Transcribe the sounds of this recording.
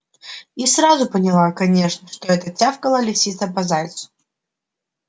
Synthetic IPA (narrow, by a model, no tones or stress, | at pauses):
isɾazʊpənʲɪlˠakɐnʲe̞ʂnəʂt̪oɛt̪ətʲafkəlˠəlʲɪfsʲit̪səpɐzajʲt̪sʊ̥